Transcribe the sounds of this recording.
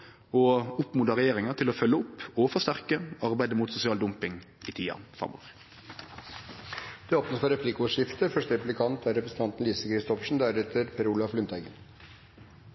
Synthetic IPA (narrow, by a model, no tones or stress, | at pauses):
oːʊpmuːd̪əʁɛjeːʁɪŋɑt̪ʰɪloːfœlːəʊpoːʋfɔst̪æʁkəɑʁbæɪd̪əmuːt̪sʊsɪɑːld̪ʊmpɪŋ | iːt̪ʰiːɑ̰fʁɑ̰mʔo̰ːʋʁ | d̪̥ɛːoːpnət̪fɔɾɛpʰlɪkːʂɪft̪əfœʂʈəɾɛplɪkʰɑnt̪ʰæɾɛpɾəsn̩t̪ɑnt̪nliːsəkʰɾɪst̪ʰɔpʂɳ̩d̪æɾɛt̪əɾpʰɛɾuːlɑflʉnt̪ʰæɪɡən